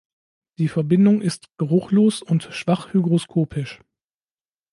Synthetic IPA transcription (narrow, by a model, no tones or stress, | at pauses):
d̥iːfɛɐbɪndʊŋʔɪstɡ̥əʁʊxloːsʊntʃv̥aχhyɡʁoskʰoːpʰɪʃ